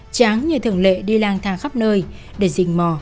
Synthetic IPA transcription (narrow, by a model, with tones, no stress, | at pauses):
t͡ɕaː˨˦ŋɲɨ˧˩t̪ʰɨ˧˩əŋlḛ˧˨ɗi˧laː˧ŋt̪ʰaː˨˧˩ŋxa˦˥p̚nəː˧j | ɗe˧˩zï˨˩ŋ̟mɔ˧˩